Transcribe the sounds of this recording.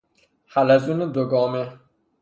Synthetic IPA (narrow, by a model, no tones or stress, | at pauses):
halazuned̪oɡɔːme